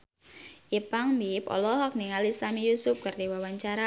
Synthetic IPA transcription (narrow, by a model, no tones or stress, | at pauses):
ʔipaŋmipɔ̰lɔɦɔk̚niŋalisamijusʊp̚kardewawaɲt͡ʃaɾa